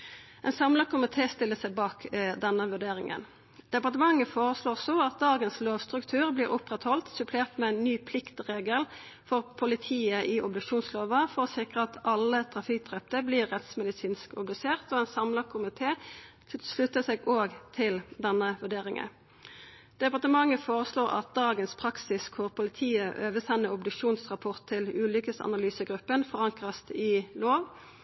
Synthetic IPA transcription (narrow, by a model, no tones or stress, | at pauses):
ɛnsɑmləkʰʊmɪt̪ʰeːst̪ɪlːəsæɪbɑːkd̪ɛnːəʋʉɖeːʁɪŋə̰n | d̪̥ɛpɑʁt̪əmɑŋːəfoːʁəsloːʁsoɑt̪̚d̪ɑːɡənsloːʋst̪ʁʉkt̪ʰʉːʁbliːʁʊpʁɛt̪hɔlt̪sʉpʰleːʁt̪mɛæɪnːyːpʰlɪkt̪ʁeːɡəl | fɔʁpʰʊlɪt̪ʰiːəʔɪʔɔbd̪ʉkʃuːnsloːʋəfɔʁɔsɪkʁəɑt̪ʰɑlːət̪ʰɾɑfɪk̚d̪ʁɛp̚t̪əbliːʁːɛt̪smɛd̪ɪsiːnskɔbd̪ʉseːʁt̪ɔːɛnsɑmlɑkʰʊmɪt̪ʰeːt̪ʰɪlslʉt̪ːəseːɡoːɡt̪ʰɪld̪ɛnːəʋʉd̪eːʁɪŋə̰n | d̪̥ɛpɑʁt̪əmɑŋːəfoːʁəsloːʁɑ̰t̪̚d̪ɑːɡənspʰʁɑksɪskʰʊʁpʰʊlɪt̪ʰiːəʔøːʋəsɛnːəʊbd̪ʉkʃuːnsʁɑpʰɔʁt̪ʰːɪlʉːlʏkəsɑ̰nɑlyːsəɡʁʉpːənfɔʁɑŋkʁɑst̪ɪloːʋ